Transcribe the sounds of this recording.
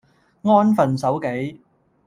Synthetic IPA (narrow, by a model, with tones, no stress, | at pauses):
ŋɔː˥nfɐ˨nsɐ˨˥wke˨˥j